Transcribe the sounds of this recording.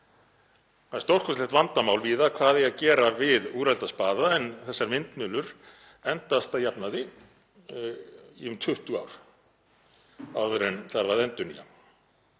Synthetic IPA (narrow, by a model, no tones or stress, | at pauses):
haðst̪owr̥kʰɔslɛht̪vant̪amaːwlviːðakʰvaːðɪacɛːɾavɪðuːɾalt̪aspaːðaɛnθɛsːaɾvɪnt̪mʏlʏɾ̥ | ɛnt̪ast̪ajapnaðɪ | iʏmt̪ʰʏht̪ʏa̰wɾ̥ | aðvʏɾɛnθaɾvaðɛnt̪ʏɾnḭa̰